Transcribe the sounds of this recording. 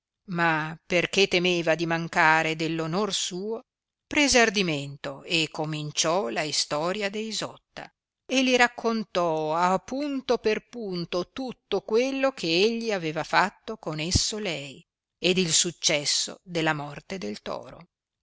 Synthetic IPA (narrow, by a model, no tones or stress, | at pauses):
maperket̪ːemeːvad̪imaŋkaːɾed̪elːonorsuːo | pɾezeard̪iment̪oekːomint͡ʃɔlaist̪ɔːɾjad̪eizɔt̪ːa̰ | elːiɾakʰːont̪ɔapːunt̪operpunt̪ot̪ut̪ːokwelːokʰeeʎːiaveːvafat̪ːokonesːolɛj | ed̪ilsut͡ʃːɛsːo̰d̪elːamɔrt̪ed̪elt̪ɔ̰ːɾo̰